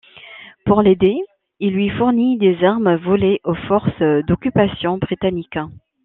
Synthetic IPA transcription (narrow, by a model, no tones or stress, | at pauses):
puʁled̪e | ilːɥifuʁnid̪ezaʁmvɔleʔofɔʁsd̪ɔkʲypasjɔ̃bʁit̪anik